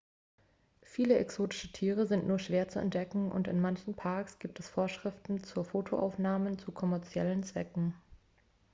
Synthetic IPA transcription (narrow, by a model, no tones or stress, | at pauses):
fiːləɛksoːtɪ̥ʃətʰiːʁ̞əzɪntnuːɐʃv̥eːɐt͡suɛ̰nt̚d̥ɛkŋ̩ʔʊ̰ntɪ̰nmançn̩pʰaɐksɡ̥iːp̚tɛsfoːɐʃʁ̥ɪftn̩t͡suːɐfoːtʰoʔa̰ʊfnaːmət͡sukʰɔmɛɐt͡sjɛlənt͡sv̥ɛ̰kŋ̩